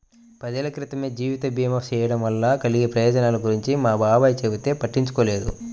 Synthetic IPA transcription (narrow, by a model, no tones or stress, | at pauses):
pɐd̪ɐlɐkɾit̪ɐme̞ːd͡ʒiːʋit̪ɐbiːjmɐt͡ʃɛːjɐɽɐmʋɐlːakɐliɡepɾɐjɔːd͡ʒɐnaːlɐɡuɾiɲt͡ʃimaːbʱaːbɐjt͡ʃebit̪e̞ːpɐʈːiɲt͡ʃu̥koːle̞ːd̪ṵ